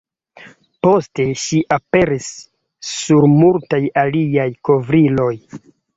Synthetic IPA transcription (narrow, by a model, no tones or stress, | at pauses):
po̞ste̞ʃiʔape̞ɾisː | uɾmultajaliajko̞vɾilo̞j